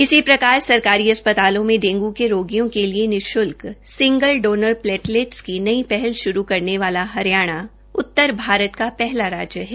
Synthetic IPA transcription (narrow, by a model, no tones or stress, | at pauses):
ɪsipɾɐkaːɾsɐɾkaːɾiɐspət̪aːlõmẽɖẽːŋɡukeɾoːɡijõkelienɪʃʊlksɪ̃ŋɡəlɖoːnəɾplɛːʈleːʈskinɐipɛɦɛlʃʊɾukɐɾneʋaːlaɦɐɾjaːɽ̃a | ʊt̪ːəɾbʱaːɾət̪kapɛɦlaɾaːd͡ʒjəɦɛː